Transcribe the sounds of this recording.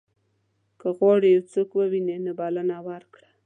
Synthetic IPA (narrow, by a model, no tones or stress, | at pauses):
kəɣwɑɽejawt͡səkwəwinenəbɑlanawaɾkɽa